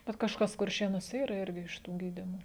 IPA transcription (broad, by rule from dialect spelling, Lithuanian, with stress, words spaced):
ˈbʲɛt kɐʃˈkɐs kʊrʲˈʃʲeːnuɔsʲɛ ˈiːrɐ ˈɪrʲɡʲɪ ɪʃ ˈtuː ˈɡʲiːdʲɪmoː